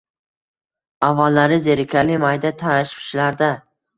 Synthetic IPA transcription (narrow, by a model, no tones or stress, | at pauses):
avːalːaɾɪzeɾɪkʲʰalɪmajd̪at̪ʰaɪʃpʰɪ̥ʃlaɾd̪a